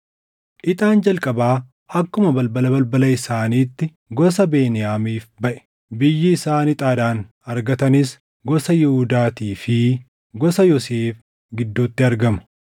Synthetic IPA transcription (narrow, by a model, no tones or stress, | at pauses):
ʔɪt̪ʼaːnd͡ʒɐlkʼɐbaː | hɐkːʊmɐbɐlbɐlɐbɐlbɐlɐɪsaːniːt̪ːɪ | ɡɔs̬ɐbeːnɪjaːmiːfbɐʔɛ̥ | bɪjːɪːsaːnɪt̪ʼaːd̪aːn | ɐɾɡɐt̪ɐnɪs | ɡɔsɐjɪhʊd̪aːt̪iːfɪ | ɡɔsɐjɔseːf | ɡɪd̪ːuːt̪ːɪɐɾɡɐmɐ̥